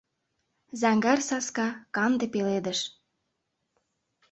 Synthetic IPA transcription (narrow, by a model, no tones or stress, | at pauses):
zɑŋɡɑrsɑskɑkɑnd̪epeled̪əʃ